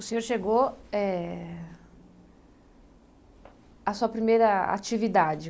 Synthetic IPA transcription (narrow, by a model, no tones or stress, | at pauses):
ʊsẽɲoɾʃeɡoɛ | ɐsuɐpɾimejɾɐa̰t͡ʃivid̪ad͡ʒɪ